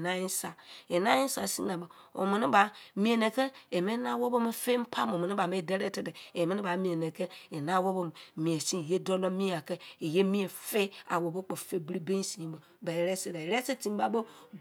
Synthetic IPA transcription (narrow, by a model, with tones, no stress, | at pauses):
na˦ji˦sa˨e˨na˦ji˦sa˨sḭ˦na˨bo˨ | o̰˨mi˨ni˦ba˨mi˦e˨ne˨ke˦e˨me˦na˦wo˦bo˦me˦fe˦m̩˦pʰa˦m˨o˨me˨ni˦˨a˨me˦˨de˦ɾe˦te˨de˨e˨me˦ni˦ba˨mĩ˨e˨ne˨ke˦e˨na˦wo˦bo˦m˨mĩ˨e˨si˦˨je˦do˦lo˦mi˦a˨ke˦e˨je˦mĩ˦e˨fe˦a̰˨wo˨bo˦k͡po˨fe˦bi˦ɾi˦be˦n˦si˨bo˨ | ba˨e˨ɾe˦se˨ɾa˨e˨ɾe˦se˦ti˨˦m˦ba˨bo˦